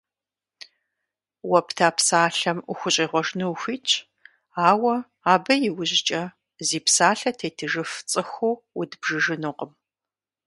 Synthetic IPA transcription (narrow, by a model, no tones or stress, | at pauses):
wɐptʰaːpsaːɬɐmʊ̰xʷʊɕʼiːʁʷɔʒnɨwxʷiːt͡ʃʰʼ | aːwɐ | aːbɐjɪwʊʑɪt͡ʃʼɐ | ziːpsaːɬɐtʰeːtʰɨʒɨft͡sʼɨxuːwʊdbʒɨʒɨnɨqəm